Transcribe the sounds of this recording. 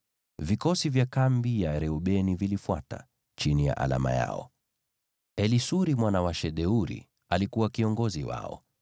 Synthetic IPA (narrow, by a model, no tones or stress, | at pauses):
vikɔsivjakambijaɾɛuɓɛnivilifwa̰ta̰ | t͡ʃinija̰ʔa̰la̰ma̰ja̰ɔ̰ | ɛlisuɾimwanawaʃɛɗɛuɾḭ | alikuwakiɔŋɡɔziwa̰ɔ̰